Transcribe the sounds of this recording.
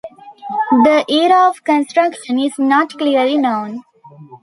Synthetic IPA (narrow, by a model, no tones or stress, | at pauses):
d̪əʔeːɾaɔʋkə̃nsʈɾʌkʃə̃nɪznɔːʈkliəɾlinõːn